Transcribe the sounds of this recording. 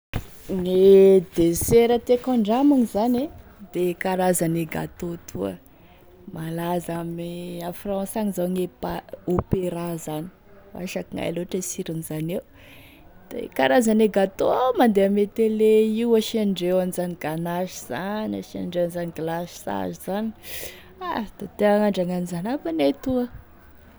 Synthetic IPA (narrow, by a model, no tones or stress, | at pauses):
ŋed̪eseɾət̪ekãɳɖ͡ʐamuŋizane | d̪ekaɾazaneɡa̰t̪ot̪ʰṵə̰ | malazamiafrɔ̃saŋizaŋepaopeɾazani̥ | wa̰ʃakiŋa̰jloaʈ͡ʂəsiɾunizanew | d̪̥ḛkaɾazaneɡat̪omand̪eamet̪eleiwaʃiaɳɖ͡ʐewanizaniɡanaʃiz̥anaʃia̰ɳɖ͡ʐewanzaniɡlasa̰zizani̥ | ad̪̥at̪eaŋaɳɖ͡ʐaŋanizanafanet̪uə